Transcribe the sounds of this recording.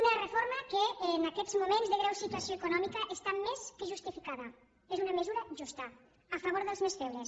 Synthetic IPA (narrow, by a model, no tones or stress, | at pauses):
unɐrefoɾmɐkenaket̪zmomẽnzðeɣɾawsit̪wasjoekonɔmikaʔest̪amːeskeʒust̪ifikaðɐ | esunɐmezuɾɐʒust̪ɐ | afaβ̞oɾðelzmesfeβɾes